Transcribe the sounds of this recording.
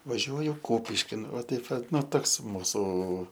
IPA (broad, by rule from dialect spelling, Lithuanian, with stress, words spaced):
ʋɐˈʒʲuɔjʊ ˈkuːpʲɪʃʲkʲɪn ʋɐ ˈtɐɪp ʋɐ ˈnʊ ˈtoːks ˈmuːsuː